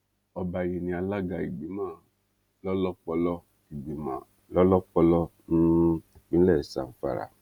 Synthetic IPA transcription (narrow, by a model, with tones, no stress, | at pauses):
ɔ˧ba˨je˨nĩ˧˨a˧la˦ɡa˧˨i˨ɡ͡bi˨˦mãː˦˨ | lɔ˦lɔ˦k͡pɔ˧lɔ˧ | i˨ɡ͡bi˨mã̰˨ | lɔ˦lɔ˦k͡pɔ˧lɔ˧ | ñ̩˦˨k͡pĩ˨˦lɛ˦˨sa̰˨fa̰˨ɾa̰˨